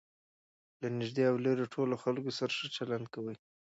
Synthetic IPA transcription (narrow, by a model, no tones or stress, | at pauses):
lanɪʒd̪eawloɾoʈʰoloxalkosaɾaʂət͡ʃaland̪̚kawəj